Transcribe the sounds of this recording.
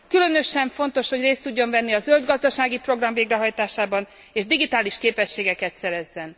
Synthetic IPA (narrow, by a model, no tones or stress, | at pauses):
kylø̞nø̞ʃɛɱfo̞nt̪o̞ʃho̞ɟreːst̪ːuɟːo̞ɱvɛnːiɒzøld̪ɡɒzd̪ɒʃaːɡipro̞ɡrɒɱveːɡrɛɦɒjt̪aːʃaːbɒn | eːʒd̪iɡit̪aːliʃkeːpɛʃːeːɡɛkɛt̪sɛɾɛzːɛn